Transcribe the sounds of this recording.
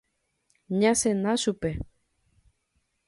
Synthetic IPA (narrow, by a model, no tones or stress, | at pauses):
ɲãsenasupe